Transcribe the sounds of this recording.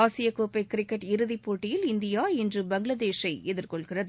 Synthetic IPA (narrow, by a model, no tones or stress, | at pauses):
aːsɪjɐkoːpɐɪkːɪɾɪkːɐʈɪɾɯðipːoːʈːɪjɪlɪnd̪ɪjaːɛndrɯbɐŋɡɭɐðeːʂɐɪɛðɪɾkɔɭɣɪrɐðɯ